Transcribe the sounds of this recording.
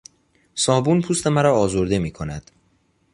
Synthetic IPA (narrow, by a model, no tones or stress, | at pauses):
sɒːbuːnpʰuːst̪e̞mæɾɒːzoɾd̪e̞miːkʰo̞næd̪̥